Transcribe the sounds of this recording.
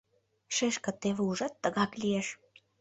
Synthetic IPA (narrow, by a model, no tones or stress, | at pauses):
ʃeʃkə̆t̪eβĕuʒɑt̪ːəɣɑklʲijeʃ